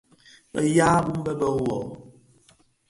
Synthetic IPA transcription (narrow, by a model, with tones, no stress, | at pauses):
ɛ̰˨ja˦bu˦m˦bɛ˦bɔ˨˦wɔ̰˨